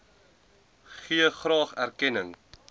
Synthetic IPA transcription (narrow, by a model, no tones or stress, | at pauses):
χiəχrɑːχærkɛnəŋ